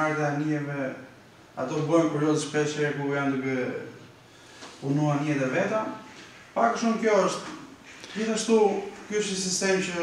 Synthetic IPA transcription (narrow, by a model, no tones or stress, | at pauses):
aɾt̪ɛaniɛvɛ | a̰t̪ɔbɔjnkuɾjɔzəʃpɾɛʃɛɾɛkujand̪əɡɛ | punuaɾɲɛɛt̪ɛvɛt̪a | pakəʃumkjɔəʃt̪d͡ʑiθaʃt̪ukyəʃisist̪ɛmt͡ɕə